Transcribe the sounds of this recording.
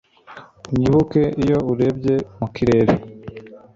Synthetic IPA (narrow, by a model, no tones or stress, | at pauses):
uɲiβuke̞ijo̞uɾe̞bɟe̞mukiɾe̞ːɾe